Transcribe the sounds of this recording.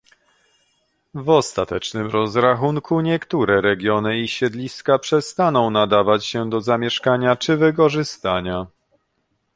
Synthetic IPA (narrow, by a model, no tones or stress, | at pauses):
vɔst̪at̪ɛt͡ʂnɘmɾɔzɾaxuŋkʰuɲɛkt̪uɾɛɾɛɡʲjɔnɘiɕɛd̪lʲiskapʂɛst̪anɔ̃w̃nad̪avat͡ɕɕɛd̪ɔzamʲjɛʂkaɲat͡ʂɘvɘk̬ɔʐɘst̪aɲa